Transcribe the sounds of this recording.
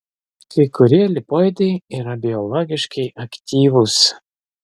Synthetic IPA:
kɐɪkʊɾʲiɛlʲɪpɔjd̪ɐɪiːɾɐbʲɪɔlˠɔɡʲɪʃkɐɪʔɐkʲt̪ʲiːʋʊs

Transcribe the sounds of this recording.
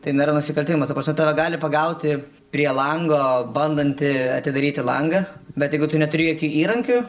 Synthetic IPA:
t̪ɐɪnʲeːɾɐnʊsʲɪkɐlʲt̪ʲɪʋɪmɐst̪ɐpɾrɐsʲmɛt̪ɑːʋʲɛɡɑːlʲɪpɐɡɐʊt̪ʲɪ | pʲɾʲiɛlˠɐŋɡoːbɐnd̪ɐnʲt̪ʲɪɐt̪ʲɪd̪ɐɾʲiːt̪ʲɪlˠɐŋɡɐbʲɛt̪jɛɪɡʊt̪ʊnʲɛt̪ʊɾʲɪjokʲuːiːɾɐŋʲkʲʊ

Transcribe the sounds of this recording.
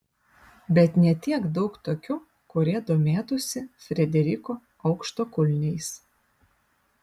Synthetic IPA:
bʲɛt̪nʲɛt̪ʲiɛkd̪ɒʊkt̪oːkʲʊ | kʊɾʲiɛd̪oːmʲeːt̪ʊsʲɪfʲɾʲɛd̪ʲɛɾʲɪkoː | ɒʊkʃt̪oːkʊlʲnʲɛɪs

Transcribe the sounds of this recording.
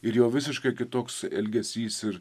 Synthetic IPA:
ɪɾjoːʋʲɪsʲɪʃkɐɪkʲɪt̪oːksɛ̰lʲɡʲɛsʲiːsɪɾ

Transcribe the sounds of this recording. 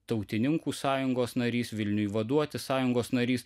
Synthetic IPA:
t̪ɐʊt̪ʲɪnʲɪŋkuːsɑːjʊŋɡoːsnɐɾʲiːsʋʲɪlʲnʲʊjʋɐd̪uɔt̪ʲɪsɑːjʊŋɡoːsnɐɾʲiːs

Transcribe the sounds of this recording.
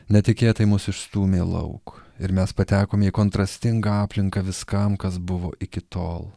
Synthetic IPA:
nʲɛt̪ʲɪkʲeːt̪ɐɪmʊsɪʃst̪uːmʲeːlˠɐ̰ʊkɪɾmʲɛspɐt̪ʲæːkoːmʲiːkoːnt̪ɾɐsʲt̪ʲɪŋɡɐɑːpʲlʲɪŋkɐʋʲɪskɐmkɐsbʊʋo̰ːʔɪkʲɪt̪oːlˠ

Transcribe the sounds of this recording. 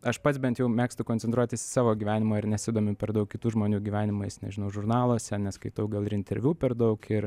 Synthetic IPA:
ɐʃpɐt̪sbʲɛnt̪jɛʊmʲæːkst̪ʊkonʲt͡sʲɛnt̪ɾuɔt̪ʲɪssɑːʋoːɡʲiːʋʲæːnʲɪmoːɪɾnʲɛsʲɪd̪oːmʲʊpʲɛɾd̪ɐʊkʲkʲɪt̪uːʒmoːnʲuːɡʲiːʋʲæːnʲɪmʊsʲnʲɛ̰ʒʲɪnɐʊʒʊrnɑːlˠuɔsʲɛnʲɛskɐɪt̪ɐʊɡɐlˠɪɾɪnʲt̪ʲɛɾʲʋʲuːpʲɛɾd̪ɐʊkʰɪɾ

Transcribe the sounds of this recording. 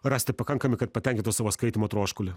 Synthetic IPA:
ɾɑːsʲt̪ʲɪpɐkɐŋkɐmʲɪkɐt̪̚pɐt̪ʲɛŋʲkʲɪnt̪ʊsɑːʋoːskɐɪt̪ʲɪmoːt̪ɾoːʃkʊlʲɪ

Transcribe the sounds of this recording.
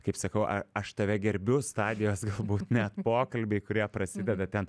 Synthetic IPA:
kɐɪpsɐkɐʊʔɐɐʃt̪ɐʋʲɛɡʲɛɾʲbʲʊst̪ɑːd̪ʲɪjoːsɡɐlˠbuːt̪nʲæt̪poːkɐlʲbʲɛɪkʊɾʲiɛpɾɐsʲɪd̪ʲɛd̪ɐt̪ʲɛn

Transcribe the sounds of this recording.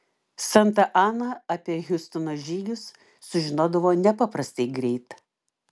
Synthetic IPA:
sɐnt̪ɐʔɑːnɐɐpʲiɛɣʲʊst̪ʊnoːʒʲiːɡʲʊsː | ʊʒʲɪnoːd̪ɐʋoːnʲɛpɑːpɾɐsʲt̪ʲɛɪɡɾʲɛɪt̪

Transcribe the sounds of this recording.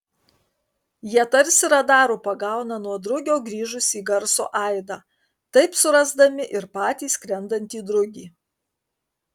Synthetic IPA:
jiɛt̪ɐɾʲsʲɪɾɐd̪ɑːɾuːpɐɡɑˑʊnɐnuɔd̪ɾʊɡʲoːɡɾʲiːʒʊsʲiːɡɐɾso̰ːʔɐɪd̪ɑː | t̪ɐɪpsʊɾɐzd̪ɐmʲɪʔɪɾpɑːt̪ʲiːskɾʲɛnd̪ɐnʲt̪ʲiːd̪ɾʊɡʲiː

